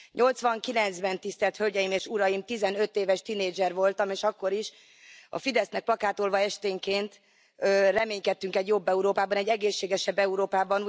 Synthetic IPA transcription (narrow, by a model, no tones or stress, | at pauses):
ɲʔo̞lt̪sʋɒŋkilɛnt̪zbɛnt̪ist̪ɛlt̪hø̞lɟɛjimeːʃuɾɒjimt̪izɛnøt̪eːvɛʃt̪ineːd͡ʒɛrvo̞lt̪ɒmeːʃɒkːo̞ɾiʃ | ɒ̰fid̪ɛsnɛk̚plɒkaːt̪olvɒɛʃt̪eːŋkeːnt̪ | ørɛmeːɲkɛt̪ːyŋkɛɟjo̞bːɛuɾoːpaːbɒnɛɟːɛɡeːʃːeːɡɛʃɛbːɛuɾoːpaːbɒn